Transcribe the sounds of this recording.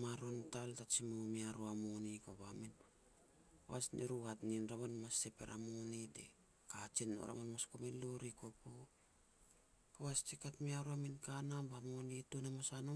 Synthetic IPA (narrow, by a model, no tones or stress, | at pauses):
maɾontaltat͡ʃimomiaɾoamonikaβamin | aβa̰snḭɾuhatninɾaβanmastepḛɾa̰monidḛ | kat͡ʃinːo̰ɾʔa̰manmaskomiloɾikopo | kaβast͡ʃikatmiaɾuaminkanabamonitonemosano